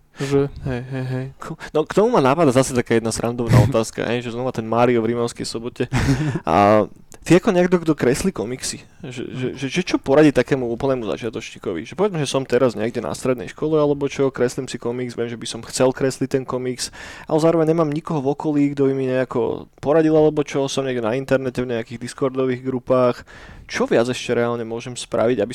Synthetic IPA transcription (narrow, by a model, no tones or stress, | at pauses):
ʒɛɦɛjɦɛjɦɛjkʰnɔkt̪ɔmumanapad̪azasɛt̪akaːjɛd̪nasɾʔand̪ɔʊna̰ːɔt̪aːska̰ɦɛ̰jʒɛznɔʋat̪ɛnmaːɾiɔvɾimɔʊskɛ̰jsɔbɔcɛ | t̪iakɔɲɛɛɡd̪ɔɡd̪ɔkɾɛslikɔmiksi | ʒɛ̰ʒɛ̰ʒɛʒɛt͡ʃɔpɔɾaɟit̪akɛːmuuːpl̩nɛːmuza̰t͡ʃɪat̪ɔt͡ʃɲiːkɔʋḭʒɛpɔʋɛd͡zmɛʒɛsɔmt̪ɛɾazɲɛɡɟɛna̰st̪ɾɛd̪nɛ̰jʃkɔlɛalɛbɔt͡ʃɔkɾɛslimsikɔmiɡzʋɪɛmʒɛbisɔmxt͡sɛlkɾɛslic̚t̪ɛnkɔmiksʔa̰lɛzaːɾɔʋɛɲɲɛmaːmɲikɔɦɔvɔkɔliːɡd̪ɔbimiɲɛakɔ̰pɔɾaɟilˠalɛbɔt͡ʃɔsɔmɲɛɡɟɛnaint̪ɛɾnɛcɛvɲɛakiɣd̪iskɔɾd̪ɔʋiːɣɡɾupaːxt͡ʃɔʋɪad͡zɛʃcɛɾɛaːlɲɛmʊɔʒɛmspɾʔa̰ʋiɟabi